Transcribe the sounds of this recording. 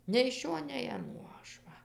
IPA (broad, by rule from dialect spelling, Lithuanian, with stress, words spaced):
nʲɛɪ ɪʃ ˈʃʲoː nʲɛɪ ɐˈnuɔ ˈɐʃ ʋɐ